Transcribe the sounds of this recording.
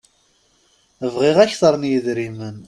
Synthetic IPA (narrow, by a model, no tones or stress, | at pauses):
əvʁiʁæçθəɾˤnjəðɾimən